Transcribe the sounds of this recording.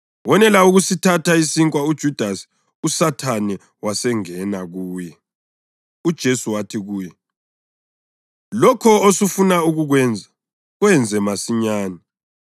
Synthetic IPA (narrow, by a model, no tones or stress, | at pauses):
wɔnɛlauɣusitʰataisiŋkʼwaud̥ʒ̥ʱud̥ʱasi̥ | usatʰanɛ | wasɛŋɛnaɣuːjɛ | ud̥ʒ̥ʱesuwatʰiɣuːjɛ | lɔkʰɔosufunauɣuɣwɛnd͡zʱa | ɣwɛnd͡zʱɛmasiɲaːnɛ